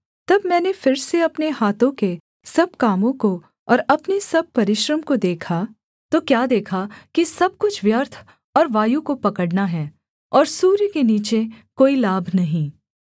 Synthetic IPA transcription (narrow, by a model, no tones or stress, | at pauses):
t̪ɐbmɛ̃ːnefɪɾseɐpneɦaːt̪õke | sɐb̚kaːmõko | ɔːɾɐpnesɐb̚pɐɾɪʃɾəmkod̪eːkʰa | t̪okjaːd̪eːkʰakisɐb̚kʊt͡ʃʰʋjəɾt̪ʰ | ɔːɾʋaːjukopɐkəɽnaɦɛː | ɔːɾsuːɾikeniːt͡ʃekoːilaːbʱnɐɦĩː